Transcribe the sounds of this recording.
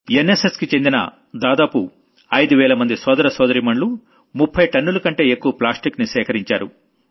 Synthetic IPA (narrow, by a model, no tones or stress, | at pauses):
eneseskit͡ʃe̞nd̪inɐ̰ | d̪aːd̪aːpu | ɐjd̪uʋɛːlɐmɐnd̪isɔːd̪ɐɾɐsɔːd̪ɐɾimɐɳlu | mupʰːɐjʈɐnːulɐkɐɳʈe̞ːekːuʋɐplaːsʈiknisɛːkɐɾiɲt͡ʃa̰ːɾṵ